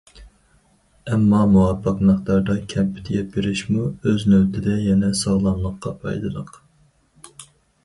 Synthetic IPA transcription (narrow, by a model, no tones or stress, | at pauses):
ɛmːɑmuwɑpʰːɑqmæχt̪ɑɾd̪ɑkʲʰɛmpɪ̥t̪ʰɪɡʲɛpbeɾɪʃmuøznøwt̪ʰɪd̪ɛjɛnɛsɑʁlˠɑnlˠəqːɑpʰɑ̰jd̪ɨd̪əq